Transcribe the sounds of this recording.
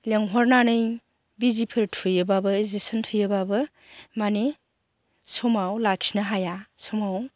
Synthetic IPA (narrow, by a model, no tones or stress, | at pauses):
leŋɦɔɾnanɯj | bizipʰɯɾtʰujɯbabɯzisɔntʰujɯbabɯ | mane | sɔmawlak̚sinaɦajasɔmaw